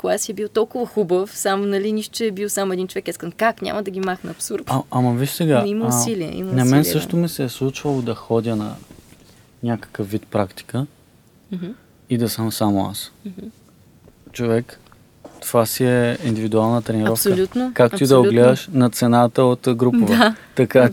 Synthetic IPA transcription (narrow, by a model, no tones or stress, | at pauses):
koɡasiɛbilˠt̪ɔlˠkʊvɐxubəfsamnɐliniʃt̪ʊt͡ʃɛɛbilˠsamoɛd̪int͡ʃovɛkiskənkaknʲa̰mɐd̪ɐɡʲimaxnəɐpsuɾd̪ɐmɐviʃsɛɡaimɐsiliɛ̰ḭmnɐmɛnsɤʃt̪omisɛslˠut͡ʃvɐlˠod̪ɐxɔd̪ʲjənɐ̰ | nʲakə̥kəfvit̪pɾakt̪i̥kə | id̪ɐsəmsamoa̰smɦ̩ | t͡ʃovɛk | t̪ovasiɛind̪ivid̪ualˠnət̪ɾɛniɾɐɔfkolʲut̪nokakt̪oid̪ɐoɡlɛd̪əʃnɐt̪sɛnat̪əot̪ɡɾupɐvɛt̪ɐka